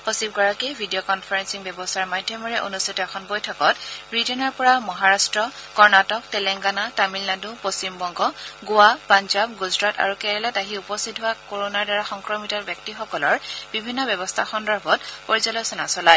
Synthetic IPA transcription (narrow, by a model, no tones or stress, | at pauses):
osib̚ɡɔɹakebʱidiɔkɔnpʰaɹɛnsiŋbjɛbɔstʰaɹmajdʱːjɔmɔɹɛʔo̰nustʰitɔɛxʰɔnbojtʰɔkɔtɹitɛnɔɹpɔɹamɔɦaɹastɹɔkɔɹnatɔk̚tɛlɛŋɡanatamilnadupost͡ʃimbɔŋɡɔɡʊapanzab̚ɡuzɹata̰ɹukɛɹɛlataɦiupɔstʰit̚ɦʊakoɹonaɹdaɹaxɔŋkɹɔmitɔtbjɔk̚tixɔkɔlɔɹb̥ibʱinːɔbɛbɔstʰaxɔndɔɹbʱɔt̚poɹizɔlɔsɔnasɔlaj